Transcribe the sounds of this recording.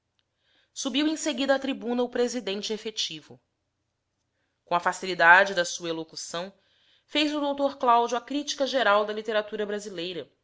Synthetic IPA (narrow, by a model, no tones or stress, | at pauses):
subiwẽj̃seɡid̪ɐːt̪ɾibũnɐʊpɾezid̪ẽnt͡ʃɪefet͡ʃivʊ | kõɐfasilid̪ad͡ʒɪd̪ɐsuɐelokusɐ̃w̃ | fejzʊd̪owt̪oɾklawd͡ʒuɐkɾit͡ʃi̥kɐʒeɾawd̪ɐlit̪eɾat̪uɾɐbɾazilejɾɐ